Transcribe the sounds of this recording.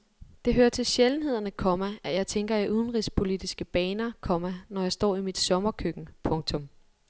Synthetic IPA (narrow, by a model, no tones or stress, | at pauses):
d̥e̝ɦøːɐt͡sʰe̝lɕeln̩he̝ð̞̰ˠɐnəkʰɒmæʔæjɑ̈ɪt͡sʰeŋɡ̥ɐæʔuð̞ˠn̩ʁispʰo̝lid̥isɡ̥əb̥ɛːnɐkʰɒ̽mænɒjɑ̈ɪsd̥ɒ̰ːimid̥sɒ̽mɐkʰøɡ̥n̩pʰɔ̽ŋt͡sʰɔ̽m